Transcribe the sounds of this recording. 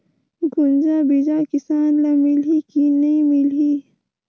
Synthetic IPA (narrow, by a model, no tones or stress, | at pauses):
ɡunzabid͡ʒaːkisaːnlamilikinɐĩmili